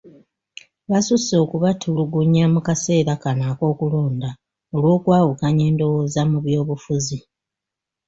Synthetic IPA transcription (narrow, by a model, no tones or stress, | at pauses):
βasuso̞ːkuβatʰuluɡuɲːamukase̞ːɾakanaːko̞ːkuloːnda | o̞lwo̞ːkwaːwukaɲe̞ːndo̞wo̞ːzamuβjo̞ːβufuzi